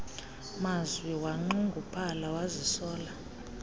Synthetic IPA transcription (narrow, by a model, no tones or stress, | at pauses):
mazwiwaŋ͡ǃuŋɡʱupʰalawazisɔːla